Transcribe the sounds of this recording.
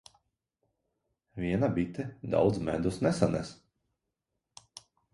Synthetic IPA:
vʲiɛnabit̪ɛd̪a̰wd̪zmɛ̰d̪usnɛsanɛ̰s

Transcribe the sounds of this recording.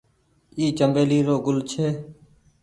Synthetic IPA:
iːt͡ʃəmbeːliːɾoːɡʊlt͡ʃʰeː

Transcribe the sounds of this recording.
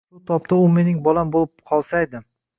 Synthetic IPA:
ʊt̪ʰɒp̚t̪ʰaʊme̞nɪŋbɒlambolˠɪp̚qʰɒlˠsajd̪ɪ

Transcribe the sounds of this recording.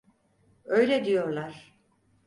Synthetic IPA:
ø̞jlʲɛd̪ijo̞ɾlˠaɾ̥

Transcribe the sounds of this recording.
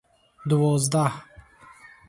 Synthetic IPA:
d̪uvɔzd̪ah

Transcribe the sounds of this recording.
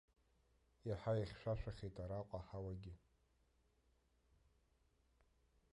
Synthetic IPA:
jaħajaχʲʃʷᶣaʃʷᶣaχʲejtʼaɾaqʷʼaħawaɡʲɪ

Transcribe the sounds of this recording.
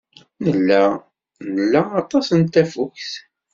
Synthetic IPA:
nəlːæ | nəlːæɑt̪ˤɑsənt̪æfukθ

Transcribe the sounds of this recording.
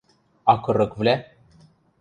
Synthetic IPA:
akəɾəkvlʲæ

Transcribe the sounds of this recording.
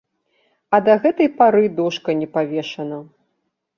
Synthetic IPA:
ɐd̪ɐɣɛt̪ɐjpaɾɨd̪ɔʂkɐnʲɛpavʲɛʂɐnɐ

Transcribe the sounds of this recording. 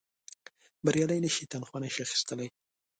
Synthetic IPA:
baɾjɑləjnəʃit̪anxwanaʃiaxi̥st̪əlaj

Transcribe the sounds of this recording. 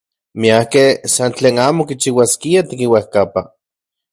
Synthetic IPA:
miahkesant͡ɬeːnaːmokit͡ʃiwaskiat̪ikiwahkapa

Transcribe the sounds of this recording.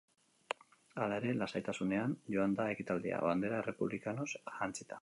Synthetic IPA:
alae̞ɾe̞lasajt̪asune̞anʝo̞and̪aekit̪ald̪ia̰βand̪e̞ɾaere̞puβlikano̞sʝant͡sit̪ḁ

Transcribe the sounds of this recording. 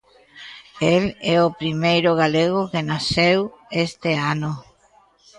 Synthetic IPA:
elɛopɾimejɾʊɣaleɣʊkenasewest̪eanʊ

